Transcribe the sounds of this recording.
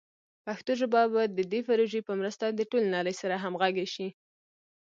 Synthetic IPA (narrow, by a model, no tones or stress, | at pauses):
paxt̪oʒabɑbɑjd̪ːəd̪efaɾoʒepəmɾəst̪ad̪əʈolenɑɾəjsaɾaɦamɣaɡeʃi